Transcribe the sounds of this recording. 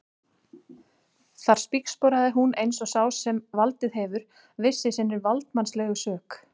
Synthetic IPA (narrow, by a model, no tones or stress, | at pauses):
θaɾ̥spikspɔɾaðɪɦunejnsɔsaːwsɛmvalt̪ɪðɦɛvʏɾ̥ | vɪsːɪsɪnːɪɾvalt̪manslɛɣʏsœːk